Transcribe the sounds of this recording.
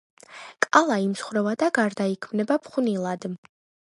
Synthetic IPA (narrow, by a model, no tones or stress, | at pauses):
kʼalˠaimsχɾɛvad̪aɡaɾd̪aikʰmnɛbapʰχunilˠad̪